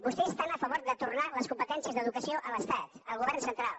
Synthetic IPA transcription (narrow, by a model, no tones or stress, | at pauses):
bust̪ɛst̪anəfəβoɾðət̪urnaləskumpət̪ɛnsiəzðəðukəsioʔələst̪at̪əlˠɣuβɛɾrnsənt̪ɾalˠ